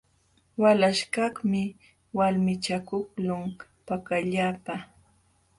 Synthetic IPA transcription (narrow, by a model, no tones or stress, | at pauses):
walaʃkɑχmɪ | walmɪt͡ʃakʊklʊŋpakaʎapa